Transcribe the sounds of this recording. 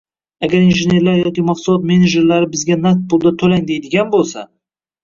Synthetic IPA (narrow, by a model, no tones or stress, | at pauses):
aɡʲaɾinʒɪne̞ɾlaɾjɒkʲimaqsʊlˠɒt̪̚me̞ned͡ʒe̞ɾlaɾɪbɪzɡʲanat̪̚pʊlˠd̪at̪ʰɵlaŋd̪e̞jd̪ɪɡʲanbolˠsa̰